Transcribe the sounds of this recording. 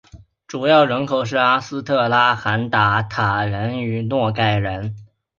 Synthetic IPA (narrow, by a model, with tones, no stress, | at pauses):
ʈ͡ʂu˨˩jɑ˥˩ʊɻə˧˥nkʰo˨˩ʊʂ̬ɻ̩˥˩a˥sɹ̩˥t̪ʰɤ˥˩la˥xa˧˥nt̪a˧˥t̪ʰa˨˩ɻə˧˥ny˨˩nwɔ˥˧ka˥˩ɪɻə˧˥n